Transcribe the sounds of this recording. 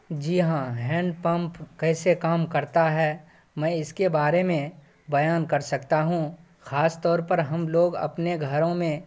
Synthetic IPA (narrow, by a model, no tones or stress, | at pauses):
d͡ʒiːɦãɦɛ̃ːɳɖpɐ̃mpkɛːsekaːmkɐɾt̪aɦɛː | mɛ̃ːɪskebaːɾemẽ | bɐjaːnkɐɾsɐkt̪aɦũ | xaːst̪ɔːɾpɐɾɦɐmloːɡɐ̰pneɡʱɐɾõmẽ